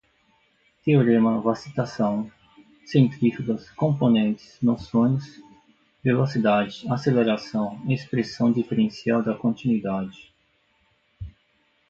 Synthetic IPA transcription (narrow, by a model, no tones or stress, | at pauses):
t̪eoɾẽmɐvasit̪asɐ̃w̃ | sẽnt̪ɾifid̪ɐskõmponẽnt͡ʃɪ̥snosõɲʊs | velosid̪ad͡ʒɪaseleɾasɐ̃w̃espɾesɐ̃w̃d͡ʒifeɾẽsiawd̪ɐkõnt͡ʃinwid̪ad͡ʒɪ